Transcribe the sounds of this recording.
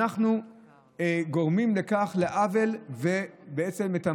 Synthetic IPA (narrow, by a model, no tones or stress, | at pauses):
aχnu | ɡo̞ʁmimlekaχleʔave̞lvebeet͡se̞met̪a